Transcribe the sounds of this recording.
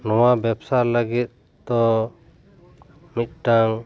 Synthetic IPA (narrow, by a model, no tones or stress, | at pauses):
nɔwabɛpsaɾləɡit̪̚ | d̪ɔ | mit̪̚ˀʈaŋ